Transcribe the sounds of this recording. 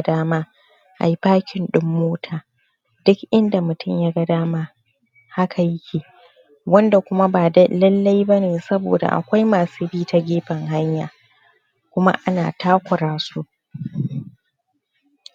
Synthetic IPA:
daː˦maː˦ | ʔa̰˨ji˦paː˦kʲɪ˨nɗɪ˦mːoː˦tʰaː˨ | dʊ˦kʔɪ˦nda˨mʊ˨tʊ˦mjaː˦ɡa˦daː˦maː˦ | ha˦kʰa˨jɪ˦kʲʰeː˨ | wɐ˦nda˨kʷʊ˦ma˦baː˨dɐ˦lɐ˦lːa˦jbɐ˦neː˨sɐ˦bo̰ː˨da̰˨ʔa̰˨kʷa˦jmaː˨suː˦biː˦ta˦ɡʲeː˦ɸɐ˨ŋɦa˦ɲja̰ː˨ | kʷʊ˦ma̰˦ʔa˦na̰ː˨taː˦kʷʊ˨ɾaː˦su˦ʔ

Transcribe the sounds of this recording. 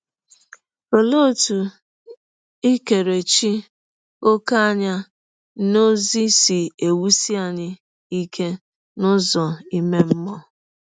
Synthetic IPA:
o˨lo˦˨tu˨ | i˦ke˨ɾe˨t͡ʃi˦ | o˦ka˦a˦ɲa˦ | no˦zi˦si˨e˨wu˦si˦a˨ɲɪ˦ | i˦ke˦ | nʊ˦zɔ˨i˦me˦m̩˦mɔ˦

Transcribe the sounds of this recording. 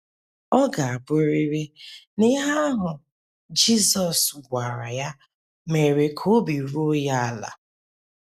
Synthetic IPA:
ɔ˦ɡa˨a˨bʊ˦ɾi˦ɾi˦nɪ˦ɦa˦ɦʊ˨ | d͡ʒi˦zɔ˨sɡʷa˨ɾa̰˨ja˦ | me˨ɾe˨kʰo˦bi˨ɾo˦ja˦a˨la̰˨

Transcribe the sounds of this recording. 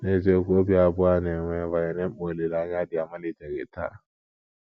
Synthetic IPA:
ne˦˨ze˦ko˦bi˦a˨bʊ˦a˦˨nɛ˨ŋʷɛ˨˦˨va˨jɛ˨nɛ̃˦m̩˦o˨le˨la˦ɲ˦a˦dɪ˨a˨ma˦li˨dɛ˨ɡḛ˨tʰa̰˦˨

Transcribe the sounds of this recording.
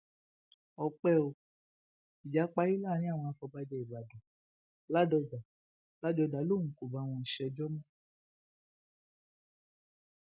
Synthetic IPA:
ɔ˧k͡pɛ˦o˧ | i˨d͡ʒa˨˦k͡pa˧˦ji˦laː˦˨ɾ̃ĩ˦a˦˨w̃ɔ̃˧a˧fɔ˧ba˦d͡ʒɛ˧˦i˨ba˨du˨ | la˦dɔ˧da˨ | la˦dɔ˧da˨˦lo˦˨n̩ũ˨ko˨ba˨˦˨w̃ɔ̃˧n̩˨ʃɛ˧d͡ʒɔ˦mɔ̃˦

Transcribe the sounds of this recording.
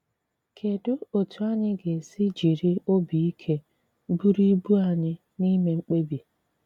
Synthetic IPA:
kʰe˨dʊ˦o˨tʰu˨a˦ɲɪ˦ɡe˨si˦d͡ʒi˨ɾi˦o˦bi˨i˦kʰe˦ | bu˦ɾi˦bu˦a˨ɲɪ˦ | ni˦me˨ŋ͡m̩˦k͡pe˦bi˨

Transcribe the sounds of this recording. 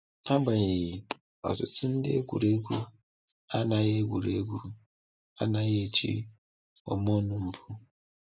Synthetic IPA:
a˦ɡ͡ba˨ɣi˨ɣi˨ | ɔ̰˨sʊ̰˨tʊ˦n̩˦dɪ˦e˦ɡʷṵ˨ɾe˦ɡʷu˦ | a˦na˨ɣe˦ɡʷu˨ɾe˦ɡʷu˦ | a̰˦na˨ɣe˦e˨t͡ʃḭ˦ | ɔ̰˨mo˦nʊ˦m̩˨pʰu˦

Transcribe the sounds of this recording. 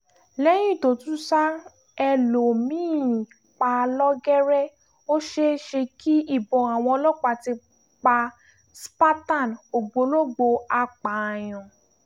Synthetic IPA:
lɛ˦j̃ĩ˦˨to˨tũ˦sa˦ | ɛ˧lo˨mĩː˦˨ | k͡pa˧lɔ˦ɡɛ˦ɾɛ˦ | o˦ʃe˦ʃe˧ki˦i˦˨bɔ̃˨a˨w̃ɔ̃˧ɔ˧lɔ˦k͡pa˧ti˧ | k͡pa˧ | spa˦ta˦˨no˨ɡ͡bo˧˦lo˦ɡ͡bo˧a˧k͡pa˨j̃ɔ̃˨

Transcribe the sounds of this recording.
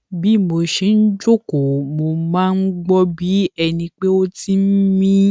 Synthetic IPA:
bi˨˦˨mo˧ʃe˨˦n̩˦d͡ʒo˦ko˨mo˧˨mãː˦n̩˦ɡ͡bɔ˦bi˨˦ɛ˧nĩ˧k͡pe˦o˦ti˦m̩˦mĩ˦

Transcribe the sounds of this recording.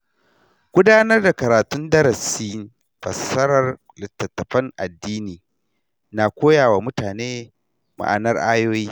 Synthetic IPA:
ɡ̥ʷʊ˦daː˦nɐ˦rda˨kɐ˨ɾaː˨tʊ˦ndɐ˦ɾɐ˨siː˦ | ɸɐ˨sɐ˦ɾɐ˨r | lɪ˨tːɐ˨tːɐ˨ɸɐ˦ŋʔa̰˨dːiː˦niː˨ | naː˨kʷoː˦jaː˨waː˨mʊ˦taː˨neː˦ | ma̰˨ʔa̰˨nɐ˦rʔaː˦joː˦jiː˦

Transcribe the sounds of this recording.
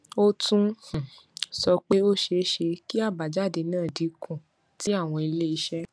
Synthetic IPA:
o˦tũ˦˨ | sɔ˧k͡pe˦o˦ʃe˧˦ʃe˧ki˦a˦˨ba˨d͡ʒa˦˨de˧nãː˦˨di˨˧kʰũ˨ | ti˨˦a˦˨w̃ɔ̃˧i˧le˦i˧ʃɛ˦

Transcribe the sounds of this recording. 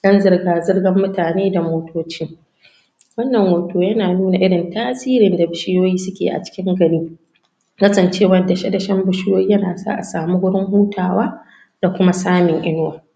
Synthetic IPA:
d̥ɐ˦nzɪ˦rɡaː˨zɪ˦rɡɐ˦mːʊ˦taː˨neː˦da˨moː˦tʰoː˦t͡ʃiː˦ | wɐ˦nːɐ˨ŋwoː˨toː˦jɐ˦naː˨nuː˦na˨ʔɪ˦ɽɪ˨ntaː˦siː˦ɾɪ˨nda˨bɪ˨ʃɪ˦joː˦jiː˦sʊ˦kʲḛː˨ʔa̰˨t͡ʃɪ̥˦kʲɪ˦ŋɡɐ˨niː˦ | kɐ˦sɐ˨nt͡ʃeː˦wɐ˦da˨ʃɐ˦dɐ˨ʃɐ˦mbʊ˦ʃɪ˦joː˦jiː˦jɐ˦naː˨sa̰˦ʔa̰˨saː˨mu˦ɡʷʊ˦ɽɪ˦ŋɦuː˦taː˨waː˦ | d̥a˨kʷʊ˦ma˦saː˦mɪ˨ŋʔɪ˦n˦wa˨

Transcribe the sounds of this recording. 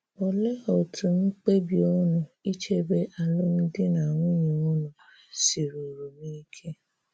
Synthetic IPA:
ɔ˨lɛ˦ɔ˨tʰũ˨ñ̩˦k͡pe˦bi˧˦o˦nũ˨i˦t͡ʃe˦bɛ˦ʔa˧lo˦mĩ˧di˦nã˨wũ˦ɲĩ˨o˦nũ˨a˨si˨ɾo˨ɾu˨nĩ˦kʰẽ˦

